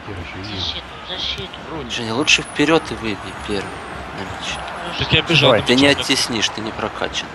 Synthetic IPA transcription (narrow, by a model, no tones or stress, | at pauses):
ʐ̥ɛnʲilˠutʂɨfʲpʲɪɾʲo̞t̪ɨvɨbʲɪpʲe̞rvɨ̰jdʲɪnɐmʲet͡ɕnət̪ot̪ʲɪɐbʲɪʐat̪ɨnʲɪɐtʲːɪsʲnʲiʂt̪ɨnʲɪpɾɐkʰa̰t͡ɕɪn